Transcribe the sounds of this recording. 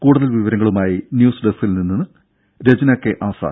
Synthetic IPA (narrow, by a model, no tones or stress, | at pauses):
kuːɽuðɐlʋiʋɐɾɐŋːɐɭumaːjinjuːsɖesilninːinːɨ | ɾed͡ʑɐnɐkːeʔaːsa̰ː